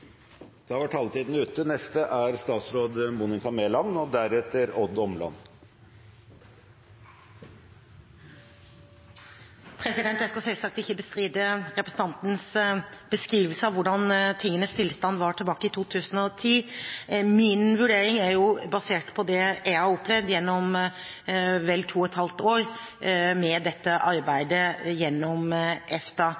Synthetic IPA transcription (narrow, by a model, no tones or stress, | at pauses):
d̪̥ʰɑːʋɑʈʰɑlt̪iːd̪n̩əʉːt̪ənɛst̪əʔæɾst̪ɑːt̪sɾoːd̪munɪt̪ɑmeːlɑnɔd̪æɾɛt̪əɾɔd̪ɔmlɑ̰n | pʰɾɛsɪd̪ɛnt̪ːæskɑsɛlsɑk̚t̪ɪçəbəst̪ɾiːd̪əɾɛpɾəsən̩t̪ɑnt̪n̩sb̥əskɾiːʋəl̩səɑʋʊɖɑnt̪ʰɪŋːənəst̪ʰɪlːst̪ɑnd̪ʋɑʈʰɪlbɑːkəɪt̪ʰuːt̪ʰʉːsən̩ɔt̪ʰiː | mɪnʋʉɖeːɾɪŋæɾjʊbɑseːʈpʰɔd̪ɛæɪhɑɾɔplɛʋd̪jɛnːɔm | ʋɛlːt̪ʰuːɛt̪hɑlt̪oːɾ | mɛd̪ɛt̪ːəʔɑɾbæɪd̪əjɛnːɔmʔɛft̪ɑ